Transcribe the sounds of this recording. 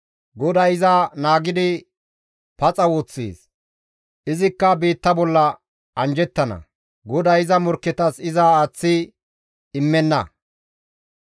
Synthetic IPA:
ɡɔd̪ɐjɪzɐnaːɡɪd̪ɪ | pɐt͡sʼɐwoːt͡sːḛːs | ʔɪzɪkːɐbeːt̪ːɐbɔlːɐ | ɐnd͡ʒɛt̪ːɐnɐ̰ | ɡɔd̪ɐjɪzɐmɔɾkːɛt̪ɐsɪzɐaːt͡sːɪː | ɪmːɛnːɐ̰

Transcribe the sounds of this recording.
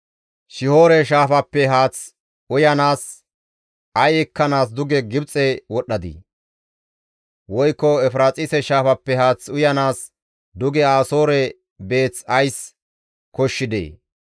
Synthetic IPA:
ʃɪho̞ːɾɛʃ̬aːfɐpːɛɦaːt͡s | ʊjɐnaːs | ʔɐjɛkːɐnaːs̬d̪ʊɡɛɡɪbt͡sʼːɛwɔɗɐd̪ḭ | wɔjkːɔɛfɾaːt͡sʼɪsɛʃaːfɐpːɛhaːt͡sʊjɐnaːs | d̪ʊɡɛaːso̞ːɾɛ | be̞ːt͡sɐjs | kɔʃːɪd̪ḛː

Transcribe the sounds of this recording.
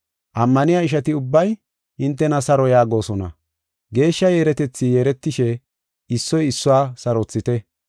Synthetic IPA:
ʔɐmːɐnɪjaːɪʃɐt̪ɪʊbːɐj | ɪnt̪̬ːɛnɐsɐɾɔjaːɡo̞ːsɔnɐ̰ | ɡe̞ːʃːɐjeːɾɛt̪ɛt͡sːijeːɾɛt̪ːɪʃɛ | ɪsːɔjɪsːʊwaːsɐɾɔt͡sːɪt̪ɛ

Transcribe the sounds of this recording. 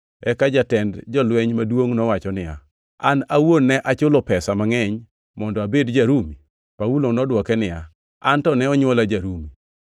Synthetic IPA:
ɛkad͡ʒatɛndd͡ʒɔlwɛɲmadwoŋnɔwat͡ʃɔnɪja̰ | anawonːɛʔat͡ʃʊlɔpɛsamaŋɛɲ | mɔndɔabedd͡ʒaɾumi | pawulonɔdwɔkɛnɪja | antɔnɛɔɲwɔlad͡ʒaɾumi

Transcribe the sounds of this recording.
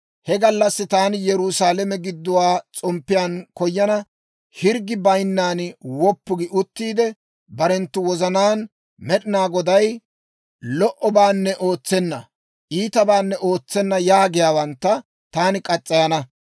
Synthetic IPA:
hɛɡɐlːɐsːɪt̪aːnɪjɛɾʊsaːlɛmɛɡɪd̪ːʊwaːt͡sʼɔmpːɪjaːnkɔjːɐnɐ | hɪɾɡɪbɐjnːaːnwɔpːʊɡɪʔʊt̪ːiːd̪ɛ | bɐɾɛnt̪ːʊwɔzɐnaːn | mɛɗɪnaːɡɔd̪ɐj | lɔʔɔbaːnːɛʔoːt͡sːɛnːɐ | ʔiːt̪ɐbaːnːɛʔo̞ːt͡sːɛnːɐjaːɡɪjaːwɐnt̪ːɐ | t̪aːnɪkʼɐt͡sʼːɐjɐnɐ

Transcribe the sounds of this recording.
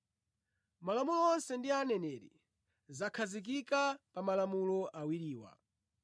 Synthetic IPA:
malamulɔɔnsɛndianɛnɛɾḭ | zakʰazik̬ikapamalamulɔʔawiɾiːwa̰

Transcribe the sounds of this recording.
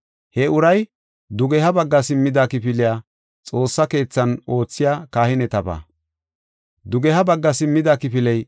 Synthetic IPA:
hɛʊɾɐj | d̪ʊɡɛhɐbɐɡːɐsɪmːɪd̪akɪpɪlɪjaː | t͡sʼo̞ːsːɐke̞ːt͡sːɐno̞ːt͡sːɪjaːkaːhɪnɛt̪ɐba̰ː | d̪ʊɡɛhɐbɐɡːɐsɪmːɪd̪akɪpɪlɛj

